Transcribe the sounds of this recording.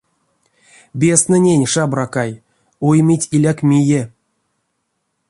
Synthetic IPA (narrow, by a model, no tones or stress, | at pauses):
bʲesnɨnʲenʲʂabrakaj | ujmʲitʲilʲakmʲije